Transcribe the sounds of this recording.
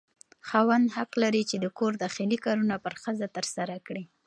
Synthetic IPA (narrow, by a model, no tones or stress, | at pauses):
xɑwand̪haqlaɾit͡ʃed̪əkoɾd̪ɑxilikɑɾunapəɾxəzat̪əɾsaɾakɽi